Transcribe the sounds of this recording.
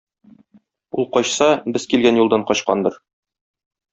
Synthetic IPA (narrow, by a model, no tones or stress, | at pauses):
ulˠqɒɕsɑbɘzkilɡænjulˠd̪ɑɴqɒɕqɑ̰nd̪ɤ̆ɾ